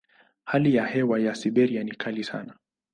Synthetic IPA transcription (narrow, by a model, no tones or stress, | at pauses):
halijahɛwajasiɓɛɾianikʰalisa̰na